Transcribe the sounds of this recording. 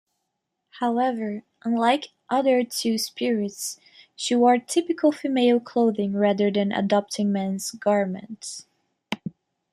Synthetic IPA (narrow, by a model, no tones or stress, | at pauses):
haʊɛvə˞ | ʔə̃nlaɪk | ʔʌðə˞tʰʉspɪɹɪts | ʃiwɔɹtʰɪpɨkʰəl̩ˠfɨmeɪlˠkʰl̥oʊðɪ̃ŋɹæðə˞ðɨ̃nʔə̰dɑp̚tʰɪ̃ŋmɛ̃nz̥ɡɑɹmɨ̰̃nts